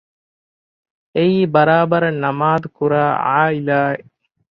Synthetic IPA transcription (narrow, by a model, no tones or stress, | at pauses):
eiːbɐɾaːbɐɾɐnːɐmaːd̪ukuɾaːa̰ːilaːe